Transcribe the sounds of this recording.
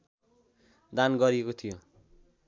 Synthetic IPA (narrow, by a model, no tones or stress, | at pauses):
d̪anɡʌɾiekot̪ʰijo